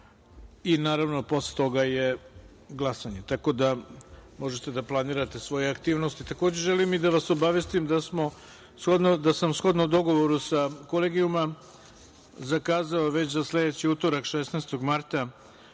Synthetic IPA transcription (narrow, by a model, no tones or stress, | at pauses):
inaːɾaʋno̞po̞slet̪o̞ɡaje | ɡlˠasaɲet̪ako̞d̪amo̞ʒet̪e̞d̪aplˠaniːɾat̪e̞sʋo̞jeakt̪iːʋno̞st̪it̪akod͡ʑe̞ʒelimid̪aʋaso̞baʋest̪imd̪asmo̞ | sxo̞d̪nod̪asamsxo̞d̪noud̪o̞ɡo̞ʋo̞ɾusako̞leːɡijuma | zakaːzaoʋe̞t͡ɕzasle̞d̪et͡ɕiuːt̪oɾakʃesnaːst̪o̞ɡmaɾt̪a